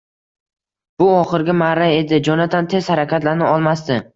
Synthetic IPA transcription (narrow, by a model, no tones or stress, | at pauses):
b̥ʊɒχɨɾɡʲɪmaɾae̞d̪ɪd͡ʒɒnat̪ʰant̪ʰe̞zhaɾakʲʰat̪laɾnɪɒlˠmast̪ɪ